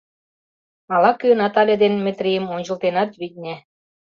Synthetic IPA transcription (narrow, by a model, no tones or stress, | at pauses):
ɑlɑkø̆nɑt̪ɑlʲĕd̪enmʲɘ̆t̪ɾʲijəmonʲt͡ɕə̆lt̪enɑt̪βid̪̚ʲnʲĕ